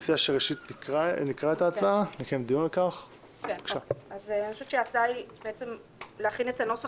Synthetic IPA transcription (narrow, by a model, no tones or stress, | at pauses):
siaʃeʁeʃit̪nikʁanikʁaet̪aːt͡saanikemd̪ijunlekaχ | kekʃaazanʃuvʃeat͡sajbeet͡sem | leaχinet̪ano̞sa